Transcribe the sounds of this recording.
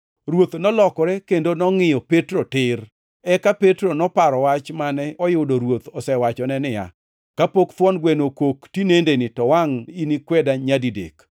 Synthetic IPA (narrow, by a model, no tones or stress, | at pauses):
ɾwot̪nɔlɔkɔɾɛkendonɔŋɪjɔpetɾotɪr | ɛkapetɾonɔpaɾɔwat͡ʃmanɛʔɔjʊdoɾwot̪ɔsɛwat͡ʃɔnɛnɪja̰ | kapokt̪wɔnɡwenokoktinendenɪtɔwaŋinikwɛdaɲadidḛk